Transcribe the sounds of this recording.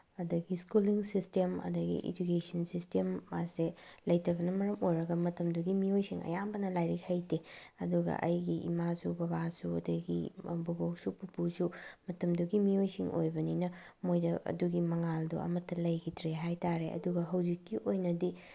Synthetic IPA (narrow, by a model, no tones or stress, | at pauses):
ɐdɐɡiskuliŋsistemɐ̰dɐɡḭʔḛd͡ʒukesɐnsistemːaselɐjtɐbɐnɐmɐɾɐmojɾɐɡɐmɐtɐmduɡimiojsiŋɐ̰jambɐnɐlajɾik̚hɐjteɐduɡɐ̰ʔɐjɡiʔḭmasubɐbasuɐ̰dɐɡḭbubowsupupusumɐtɐmduɡimiojsiŋʔo̰jbɐninɐ | mojdɐʔɐ̰duɡimɐŋaldṵɐ̰mɐtːɐlɐjɡitʰɾeɦajtaɾeɐ̰duɡɐɦɐwzikːiʔojnɐdi